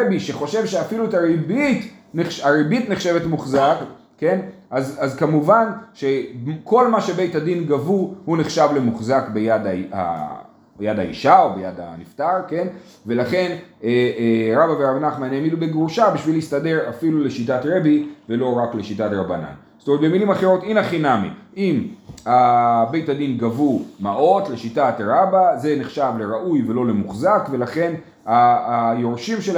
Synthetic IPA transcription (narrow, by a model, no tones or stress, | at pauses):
ebiʃe̞χo̞ʃe̞vʃeafiluetaʁebit | neχaibitneχʃe̞vetmuχzak | ke̞nʔazazkamuvanʃe̞kʰo̞lmaʃebe̞jtadinɡavuhuneχʃavle̞muχzakbejadaa̰ | jadaḭʃao̞bejada̰niftaʁke̞n | ve̞laχe̞neeʁabaveʁavnaχmanemidubeɡʁuʃabiʃvilist̪ade̞ʁafilule̞ʃit̬atʁe̞bive̞lo̞ʁakle̞ʃitatʁabana̰n | z̥t̪ometbemilimaχeʁo̞tinaχinamḭʔimabe̞jtadinɡavumaʔo̞tle̞ʃitatʁabaze̞neχʃavle̞ʁaʔujve̞lo̞le̞muχzakve̞laχe̞n | ajoʁʃimʃel